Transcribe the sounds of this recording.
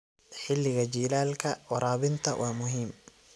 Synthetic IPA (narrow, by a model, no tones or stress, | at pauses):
ħɪlːɪɣɐt͡ʃiːlaːlkʰɐwɑɾʔaːβɪnt̪ʰɐwʔɑːmʊɦiːm